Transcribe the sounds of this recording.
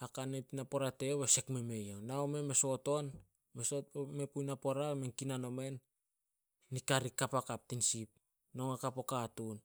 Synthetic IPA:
akanepnapo̞ɾate̞βese̞kme̞me̞jonaome̞me̞so̞to̞n | mesomepujnapo̞ɾamenkinano̞me̞nː | ikaɾikapakap̚tinsip̚ | no̞ŋakapokatun

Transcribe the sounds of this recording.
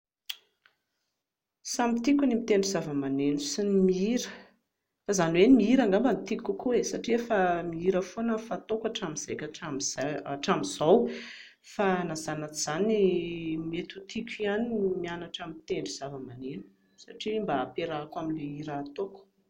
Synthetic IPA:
samit̪ikʲunimit̪eɳɖ͡ʐizavəmanenusinimiiɾə̥ | fazanwenmiiɾaŋɡambənit̪ikʲukuesaʈ͡ʂiefamiiɾəfonəfat̪okaʈ͡ʂamiz̥ekʲaʈ͡ʂamizaaʈ͡ʂamizaw | fanazanat͡siz̥animet̪ut̪ikʲianimianaʈ͡ʂamit̪eɳɖ͡ʐiz̥avəmanenu̥ | saʈ͡ʂimbaːpeɾakwaminleiɾaːt̪oku̥

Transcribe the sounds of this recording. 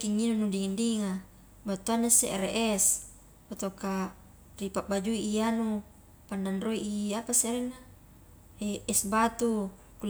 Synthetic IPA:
kiŋːinunudiŋandiŋa | bat̪uanːasḛʔeɾeʔɛs | pot̪oka | ripaʔbad͡ʒuiʔːanu | panːanroiʔiapaseɾinːa | eʔɛsbat̪u | kul

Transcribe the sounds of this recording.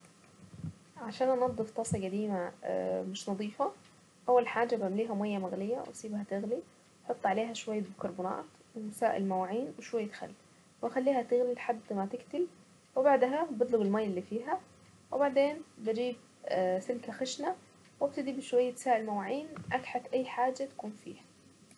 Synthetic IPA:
ʕaʃaːnʔɑnɑd̪ˤːɨft̪ˤɑːsˤɑɡæd̪iːma̰mɪʃnɑd̪ˤiːfɑ | ʔæwːælħaːd͡ʒabaʕmliːɦæmajːæmaɣlɪjːæwʔɑ̰sˤiːbhæt̪ɪɣli | ħot̪ˤːʕaleːɦæʃwajːabkɑɾˤbunɑ̰ːt̪ | wɪsaːʔɪ̰lmæwaʕiːnwɪʃwajːat̪xa̰lːi | wʔaxalːiːhat̪ɪɣlilħad̪ːmat̪ɪkt̪ɪl | wɪbaʕd̪ɦabɪd̪ˤlʊbɪlmaːjːɪlːiːfiːɦa | wɪbaʕd̪eːnbɪd͡ʒiːb̚ | sɪlkaxɪʃna | wab̚t̪ad̪ibɪʃwajːat̪saːʔɪlmawaːʕiːnʔaɡħat̪ʔajːħaːd͡ʒːat̪ḁkuːnfḭːhḁ

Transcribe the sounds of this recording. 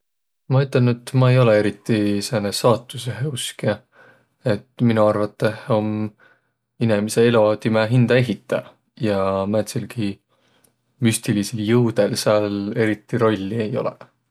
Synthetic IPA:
mɑyt̪ˑːɑnet̪mɑe̞jo̞lee̞ɾit̪ːiseːnesɑːt̪ːˑuseɦeuske | et̪ːminuɑrvɑt̪ːˑeho̞m | inemiseelo̞t̪imeɦind̪̥ɑe̞ɦit̪ːˑɑ | jɑmɑet̪selɡi | myst̪iliseljɤwd̪̥elseɑle̞ɾit̪ːˑiɾo̞lʲːiejo̞̰lḛ

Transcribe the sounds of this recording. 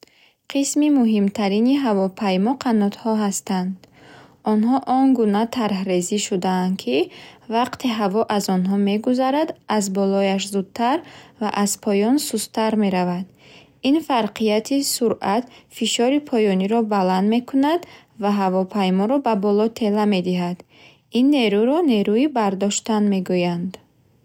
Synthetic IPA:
qʰismimuɦimt̪ʰaɾiniɦavɔpʰajmɔqʰanɔt̪hɔɦast̪and̪ | ɔnɦɔʔɔŋɡunat̪ʰaɾhɾe̞ziʃud̪aːnd̪kʰivaqt̪ʰiɦavɔʔazɔnɦɔme̞ɡuzaɾad̪azbɔlɔjaʃ̬zud̪̥̚t̪ʰaɾvaʔaz̥pʰɔjɔnsust̪ʰaɾme̞ɾavad̪ | infaɾqʰijat̪ʰisuɾʔat̪fiʃɔɾipʰɔjɔniɾɔbaland̪me̞kʰunad̪ | vaɦavɔpʰajmɔɾɔbabɔlɔt̪ʰe̞lame̞d̪iɦad̪ | inːeɾuɾɔne̞ɾuibaɾd̪ɔʃt̪anme̞ɡujand̪

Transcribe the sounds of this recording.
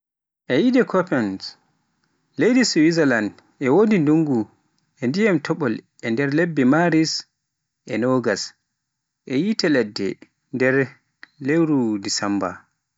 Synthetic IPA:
ʔɛjidɛkʰɔpɛns | lejdisuwizaland | ɛwodinduŋɡu | ʔɛndijamtʰɔɓɔl | ɛndɛɾlebːɛmaɾis | ʔɛnɔɡas | ʔɛjitɛlɛdːɛ̰ | ndɛɾ | lewɾudisamba̰

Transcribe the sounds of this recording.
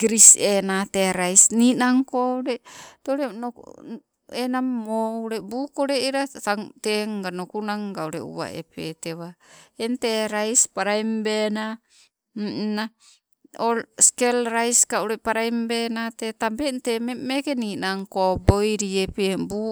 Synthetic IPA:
ɡɾisenateɾajsninaŋkoɾeteoɾeno̰ | enamoɾebukoɾeiɾataŋteŋɡanokunaŋɡauɾḛṵwa̰ḛpetewaenteɾaispaɾajmbena | m̩na | olskelɾajskauɾepaɾaimbenatetambentemmekeninaŋkobojɾiepebu

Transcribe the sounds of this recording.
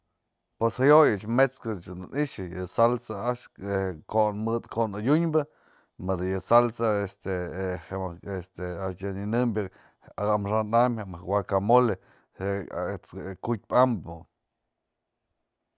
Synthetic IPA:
pweshajojɨt͡ʃmet͡skɨt͡ʃɨd̪niʃɨjɨsalsaaʃekonmɨd̪konajʲuɲbɨ | mɨd̪ɨjɨsalsaest̪eheest̪eat͡ʃjɨninɨmbʲɨ | aɡamʂanamhamahwakamole | et͡skut̚ʲpambɨ̰

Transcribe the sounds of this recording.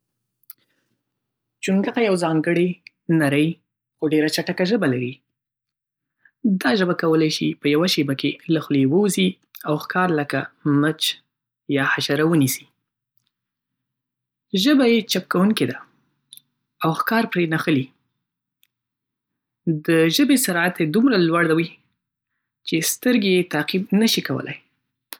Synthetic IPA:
t͡ʃuŋɡaqajawzɑŋɡəɽi | naɾəj | xoɖeɾat͡ʃaʈakaʒəbalaɾi | d̪ɑʒəbakawəlajʃipəjawaʃebakelaxlewəwzi | awxkɑɾləkamət͡ʃ | jɑhaʃaɾawənisi̥ | ʒəbajet͡ʃap̚kawuŋked̪a | awxkɑɾpɾenaxəli | d̪əʒəbesaɾat̪ed̪umɾalwaɽd̪awi | t͡ʃest̪əɾɡejet̪aqib̚nəʃikawə̰lʔa̰j

